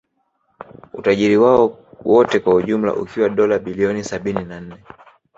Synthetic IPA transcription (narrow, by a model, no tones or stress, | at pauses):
ṵtaʄiɾiwaɔwɔtɛkwahuʄum̩la̰ʔṵkʰiwaɗɔlaɓiliɔnisaɓininan̩nɛ